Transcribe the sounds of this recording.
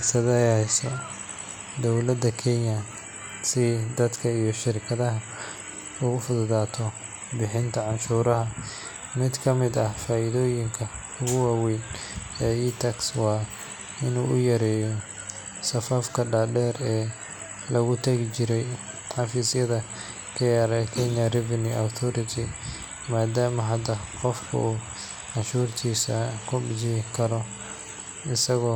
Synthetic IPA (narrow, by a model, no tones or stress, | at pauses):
sɐðɛhɛsɔ | d̪ɔwlɐd̪ɐkʰɛnjɐ | sɪd̪ɐd̪kʰɐijɞʃɪɾɪkʰɐðɐɦɐ | ʊɣʊfʊðʊðaːt̪ʰɔ | bɪħɪnt̪ʰɐʕɑnʃuːɾɐɦɐ | mɪd̪kʰɐmɪd̪ɐfaːʔɪðɔːjɪŋkʰɐ | ʊɣʊwɑːwɛːnɛːit̪ʰɐkswɑː | ɪnuːʔʊjɐɾɛːjɔ | sɐfɐfkʰɐɖaːɖɛːrɛː | lɐɣʊt̪ʰɐɣɪt͡ʃɪɾɛj | ħɑfisjɐðɐ | kʰɐjaːɾɛkʰɛnjɐrɪvɐnuawt̪ʰɔɾɪt̪ʰɪ | maːd̪aːmɐɦɐd̪ɐqɔfkʰʊ̰uː | ʕɑnʃuːrt̪ʰiːsɐkʰʊbɪt͡ʃɪkʰɐɾɔ | ɪsɐɣɔː